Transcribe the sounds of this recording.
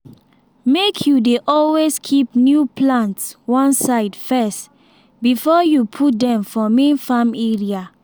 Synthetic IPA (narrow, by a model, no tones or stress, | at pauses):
mekʰjudeʔɔlweskʰipnjupʰlãntswɔ̃nsaɪdfɛst | bifɔjupʰut̚dɛ̃mfɔmẽnfamɛɹia